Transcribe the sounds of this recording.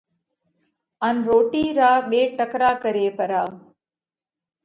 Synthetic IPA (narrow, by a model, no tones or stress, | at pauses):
ɐnɾoːʈiːɾaːɓeːʈəkɾaːkəɾeːpəɾaː